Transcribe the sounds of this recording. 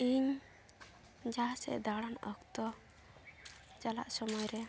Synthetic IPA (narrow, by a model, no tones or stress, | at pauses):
iɲ | d͡ʒasɛ̰ʔd̪aɽanɔ̰kt̪ɔ | t͡ʃala̰ʔsɔmɔjɾɛ